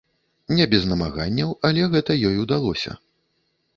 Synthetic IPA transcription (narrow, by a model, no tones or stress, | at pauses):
nʲɛbʲɛznɐmaɣa̰nʲːɐwɐlʲɛɣɛt̪ɐjɔjud̪alˠɔsʲɐ̰